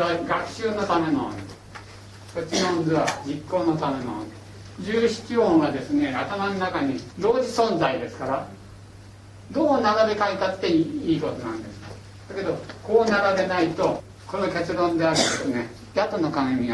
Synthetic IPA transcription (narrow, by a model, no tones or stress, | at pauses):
βaɡakɯ̟̥ɕɨːno̞t̪ame̞no̰n | kot͡ɕinõnzɨβad͡ʑikːo̞ːnot̪ame̞nõ̰n | d͡ʑɨːɕi̥t͡ɕiõɰ̃βad̪e̞sɨne̞at̪amanonakaɲ̟id̪o̞ːd͡ʑisõ̞nd͡zaid̪e̞sɨ̥kaɾa | d̪o̞ːnaɡad̪e̞kait̪at̪ːe̞iiːko̞t̪o̞nã̰nd̪e̞sɨ̥k | d̪̥ake̞d̪o̞ko̞ːnaɾaɾe̞nait̪o̞ | ko̞no̞ke̞t͡sɨɾõ̞nd̪e̞aɾɯ̟d̪esɨne̞ | jat̪onokãmʲia